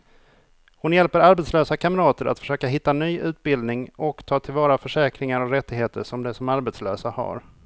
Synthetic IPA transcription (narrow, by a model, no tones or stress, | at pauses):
hʊnjɛlpəɾaɾbɛt̪sløːsakʰaməɾɑːt̪əɾa̰t̪fœ̥ʂøːkaɦɪt̪ːanyːʔʉ̟ːt̪̚bɪld̪nɪŋɔkt̪ʰɑːt̪ʰɪlvɑːɾafœʂɛːkɾɪŋaɾɔkɾɛt̪ːɪɡheːt̪əʂɔmd̪ɛsɔmaɾbɛt̪sløːsaha̰ɾ